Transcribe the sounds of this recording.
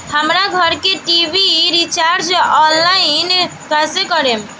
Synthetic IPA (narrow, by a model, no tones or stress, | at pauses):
həmɾaɡʱɔɾkeʈibʱiɾit͡ʃaɾd͡ʒɔnlainkasekɔɾem